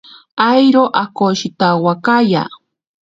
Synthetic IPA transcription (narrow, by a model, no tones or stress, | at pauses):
ajɾoʔakoʃɪt̪awakaja̰